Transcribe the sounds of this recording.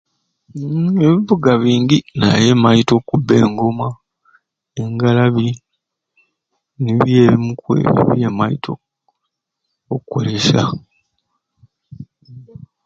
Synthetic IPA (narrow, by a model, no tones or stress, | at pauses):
eβiβuɡaβiːŋɟina̰jemajito̞ːkubːe̞̰ːŋɡo̞ma | eŋɡalaβi | niβjeːβimukwḛβjeːmajitʰo | okuko̰leʃa̰